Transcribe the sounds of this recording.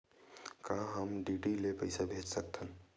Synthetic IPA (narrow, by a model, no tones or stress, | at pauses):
kãɦəmɖiɖilepəɪsabʱet͡ʃsək̚t̪ʰən